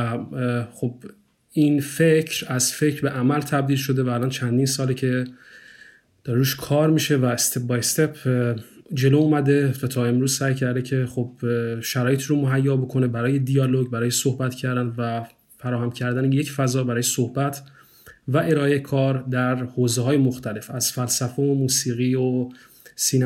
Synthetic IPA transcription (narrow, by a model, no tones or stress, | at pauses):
χob | infecʰɾæzfe̞cʰɾbeʔæmælt̪ʰæb̚d̪iːlʃo̞d̪e̞væːlɒːnt͡ʃʰænd̪iːnsɒːlicʰe̞ | d̪̥ɒɾeɾuːʃkʰɒːɾmiːʃe̞væst̪ʰep̚bɒjst̪epʰ | d͡ʒe̞loumæd̪e̞væt̪ʰɒːe̞mɾuːz̥sæːjcʰæɾd̪ecʰe̞xobʃæɾɒːje̞t̪ʰiːɾomoɦæjːɒːbo̞kʰonebæɾɒːje̞d̪ijɒːloɡbæɾɒːjesohbæt̪cʰæɾd̪ænd̪væ | fæɾɒːhæmcʰæɾd̪ænejecfæzɒːbæɾɒːjesohbæt̪ʰ | væʔe̞ɾɒːekʰɒːɾd̪æɾhoːzeɦɒːjemo̞xt̪ʰæle̞fæz̥fælsæfeomuːsiːɣiːo | sin